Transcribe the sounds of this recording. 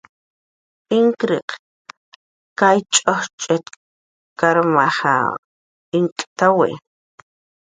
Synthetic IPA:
iŋkɾiq | kajt͡ʃʼoχt͡ʃʼet̪ | kaɾmaχa̰ | iŋkʼt̪awḛʔ

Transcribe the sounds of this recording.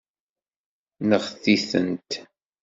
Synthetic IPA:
nəʁθiθə̰nt̪

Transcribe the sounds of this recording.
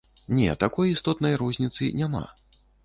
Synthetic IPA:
nʲɛ̰t̪akɔjist̪ɔt̪nɐjɾɔzʲnʲit̪sɨnʲama̰

